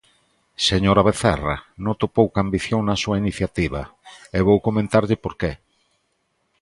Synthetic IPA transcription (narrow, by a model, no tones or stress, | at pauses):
seɲoɾaβeθɛra̰not̪opowkambiθjoŋnɐsuainiθjat̪iβa̰eβowkomẽnt̪aɾʎɪpoɾke